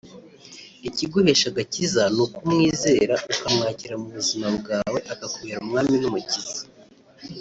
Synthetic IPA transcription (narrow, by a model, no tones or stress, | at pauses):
iciɡohe̞ʃaɡacizanukumŋiːze̞ːɾaʔukamŋaːciɾamuβuzimabɡaːwe̞ʔakakuβiɾaumŋaːminumucizḁ